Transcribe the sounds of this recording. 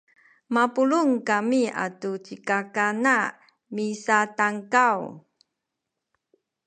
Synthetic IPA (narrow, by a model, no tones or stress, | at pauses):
mapuluŋkamia̰tut͡ɕikakana | misataŋkaw